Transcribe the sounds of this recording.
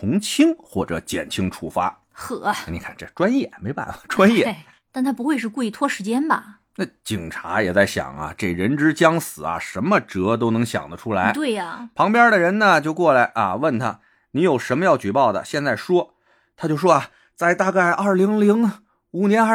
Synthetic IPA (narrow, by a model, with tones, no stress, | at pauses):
t̪ʰʊ˧˥ŋt͡ɕʰi˥ŋxwɔ˥˩ʈ͡ʂɤ̰˧˩t͡ɕjɛ̰˨˩nt͡ɕʰi˥ŋʈ͡ʂʰu˥fa̰˥ | xɤ˨˩˦ni˨˩kʰa̰˥˩nʈ͡ʂə˥˩ʈ͡ʂwa˥njɛ˥˩me˧˥ɪpa̰˥˩nə˨˩ʈ͡ʂwa˥njɛ˥˧ | t̪a˥˩nt̪ʰa˥p̬u˧˥xwe˥˧ɪʂ̬ɻ̩˥˧ku˥˧i˥˩t̪ʰwɔ˥ʂɻ̩˧˥t͡ɕjɛ˥nbɐ̰˨˩ | na˥˩t͡ɕi˨˩ŋʈ͡ʂʰa̰˧˥jɛ˨˩t͡sa˥˩ɪɕjɑ̰˨˩ŋɐ̰˧ʈ͡ʂe˥˩ɻə˧˥nʈ͡ʂɻ̩˥t͡ɕjɑ˥ŋsɹ̩˨˩ɐ̰˦ʂə˧˥nmə˧ʈ͡ʂɤ˧˥t̪̬o˥ʊnɤ˧˥ŋɕjɑ̰˨˩ŋd̪ə˦ʈ͡ʂʰu˥la˧˥ɪt̪we˥˩ɪɐ˩pʰɑ˧˥ŋpjɑ˥d̪ə˨ɻə˧˥nnə˨t͡ɕjo˥˧ʊkwɔ˥˩la˧˥ɪʔɐ̰˧wə˥˩nt̪ʰa̰˥ | ni˧˥jo˨˩ʊʂə˧˥nmə˧jɑ˥˩ʊt͡ɕy˨˩pɑ˥˩ʊd̪ə̰˩ɕjɛ˥˧nt͡sa˥˩ɪʂwɔ˥ | t̪ʰa˥t͡ɕjo˥˧ʊʂwɔ˥a˨ | t͡sa˥˧ɪt̪a˥˧ka˥˩ɪʔɐ˞˥˩li˧˥ŋli˧˥ŋ | u˨˩njɛ˧˥n˥